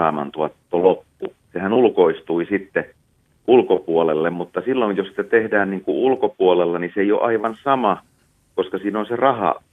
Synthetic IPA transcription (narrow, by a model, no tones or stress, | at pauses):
ɑːmɑ̰nt̪uɑt̪ːolopːu | sehænulkoist̪uisit̪ːe | ʔulkopuolelːemmut̪ːɑsilːonjjossi̥t̪æt̪ehdæːnniːŋkuulkopuolelːɑniseijo̰ʔɑiʋɑnsɑmɑ | koskɑsiːnonserɑhɑ̰